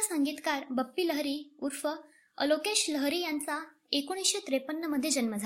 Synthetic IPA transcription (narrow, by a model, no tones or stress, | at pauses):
sãŋɡiːt̪kaɾbəpːiləɦɾiːuɾfə | ə̰lokeɕləɦɾiːjant͡sa | ekoɽ̃isɕet̪ɾepənːəməd̪ʱːjed͡ʑənməd͡zʱa